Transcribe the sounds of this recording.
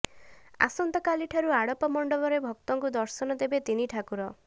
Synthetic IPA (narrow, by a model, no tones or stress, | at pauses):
a̰sɔnt̪ɔkaliʈʰaɾuaɽɔpɔmɔɳɖɔbɔɾebʱɔk̚t̪ɔŋkud̪ɔɾsɔnɔd̪ebet̪iniʈʰakuɾɔ